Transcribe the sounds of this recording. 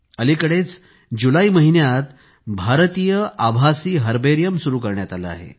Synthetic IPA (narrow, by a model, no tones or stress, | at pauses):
əlikəɽet͡s | d͡ʑulaiməɦinjat̪ | bʱaɾt̪ijəʔabʱasiːɦəɾbeɾijəmsuɾuːkəɾɳjat̪ala̰a̰ɦḛ